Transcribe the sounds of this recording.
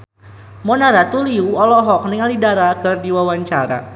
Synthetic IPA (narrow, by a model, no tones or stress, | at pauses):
mɔnaɾat̪uliuɔlɔɦɔk̚niŋalidaɾakɨrdiwawaɲt͡ʃaɾa̰